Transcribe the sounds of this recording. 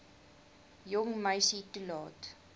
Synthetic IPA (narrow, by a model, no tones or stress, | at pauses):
jɔŋməjsitulɑːt